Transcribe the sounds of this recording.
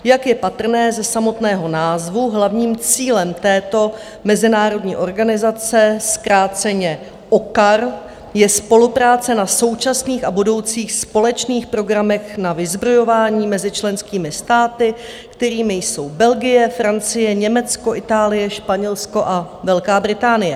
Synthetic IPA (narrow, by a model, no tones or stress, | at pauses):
jakjɛpat̪r̩nɛːzɛsamo̞t̪nɛːɦo̞naːzvuɦlavɲiːmt͡siːlɛmt̪ɛːt̪o̞ | mɛzɪnaːɾo̞dɲḭːʔo̞ɾɡanɪzat͡sɛskɾaːt͡sɛɲɛ | ʔokaɾ | jɛspo̞lupɾaːt͡sɛnaso̞wt͡ʃasniːxabudo̞wt͡siːxspo̞lɛt͡ʃniːxpɾo̞ɡɾamɛxnavɪzbɾo̞jo̞vaːɲiːmɛzɪt͡ʃlɛnskiːmɪst̪aːt̪ɪ | kt̪ɛɾiːmɪjso̞wbɛlɡɪjɛfɾant͡sɪjɛɲɛmɛt͡sko̞ʔɪt̪aːlɪjɛʃpaɲɛlsko̞ʔa | vɛlkaːbɾɪt̪aːnɪjɛ